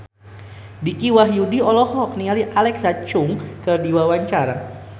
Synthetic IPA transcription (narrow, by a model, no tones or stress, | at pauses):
dikiwaɦjudiɔlɔhɔk̚niŋaliʔalɛksat͡ʃʊŋkərdiwawaɲt͡ʃaɾa